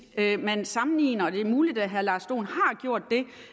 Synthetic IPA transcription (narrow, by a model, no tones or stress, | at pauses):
ømænsɑ̈mn̩ḭːnɐɒd̥e̝muːlid̥æɦæɐlɑ̈ːsd̥o̝̰ːnhɑ̈ɡ̥jo̝ɐ̰d̥ːe̝